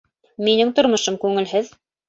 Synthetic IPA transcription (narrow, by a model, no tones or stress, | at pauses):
minɘŋt̪ŏɾmŏʃomkʉŋɘ̆lɦɘð